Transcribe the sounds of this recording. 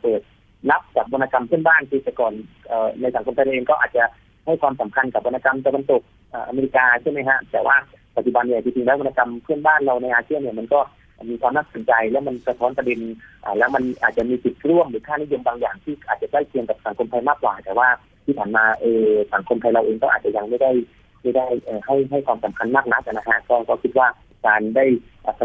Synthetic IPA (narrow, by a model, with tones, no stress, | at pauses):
pɤː˨˩t̪̚ | na˦˥p̚t͡ɕaː˨˩k̚wo˧nːaː˧ka˧mpʰɯ˥˩ənbaː˥˩nkiː˧˩a˧˩kɔː˨˩nʔɤː˨˩na˧jsa˩˦ŋkʰo˧mt̪ʰa˧ɾa˧wʔeː˧kɔː˥˩ʔaː˨˩t̪̚t͡ɕa˨˩ | ha˥˩jkwaː˧msa˩˦mkʰa˧nka˨˩p̚wo˧naː˧ka˧mt̪a˧wa˧nt̪o˨˩k̚ | ʔaː˨˩ʔa˧meː˧ɾi˧˥kaː˧t͡ɕʰa˥˩jma˦˥jɦa˦˥t̪ɛː˨˩wʔaː˥˩ | pa˨˩t͡ɕu˩ba˧nːi˥˩˨t͡ɕi˧˩t̪ʰi˧ŋlɛː˧˦˥wo˧nːa˧ka˧mpʰɯ˥˩ənbaː˥˩nɾa˧wna˧jʔaː˧si˥˩ənːi˥˩əma˧nkɔː˥˩˨ | miː˧kʰwaː˧mna˦˥k̚so˩˦nt͡ɕa˧jlɛ˦˥wma˧nsa˧t̪ʰɔː˦˥npɾde˧nʔaː˨˩lɛː˦˥wma˧nʔaː˨˩t̪̚t͡ɕa˨˩ʔmiː˧si˨˩t̪̚ɾu˥˩əmɾɯː˩˦kʰaː˥˩ni˦˥jo˧mbaː˧ŋjaː˨˩ŋt̪ʰiː˥˩ʔaː˨˩t͡ɕa˨˩daː˥˩jp̪ʰi˧əŋka˨˩p̚sa˩˦ŋkʰo˧mt̪ʰa˧jmaː˥˩kwaː˨˩t̪ɛː˨˩waː˥˩ | tʰiː˥˩pʰaː˨˩nmaː˧ʔɤː˧sa˩˦ŋkʰo˧mt̪ʰa˧jɾa˧wʔeː˧ŋk̪ɔː˥˩aː˨˩t͡ɕa˨˩ja˧ŋma˥˩jda˥˩j | ma˦˥˩da˥˩jʔɤː˨˩ha˥˩jɦa˥˩jkʰwaː˧msa˩˦mkʰa˧nmaː˥˩k̚na˦˥k̚ʔa˧˩na˦˥kʰa˦˥kɔː˥˩kɔː˥˩kʰi˦˥t̪̚waː˥˩ | kaː˧ndaː˥˩jʔaː˨˩pʰ